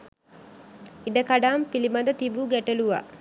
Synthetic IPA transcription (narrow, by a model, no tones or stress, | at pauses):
iɖəkaɖaːmpilimɐnd̪ət̪ibuɡæʈeluʋa̰